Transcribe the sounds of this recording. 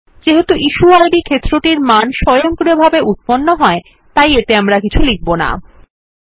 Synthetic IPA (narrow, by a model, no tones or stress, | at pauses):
d͡ʑeɦot̪uʔiʃuajɖikʰet̪ːɾoʈiɾmanʃɔjoŋkɾiobʱabeʔut̪̚ponːoɦɔe | t̪ajet̪eamɾakit͡ɕʰulik̚bona̰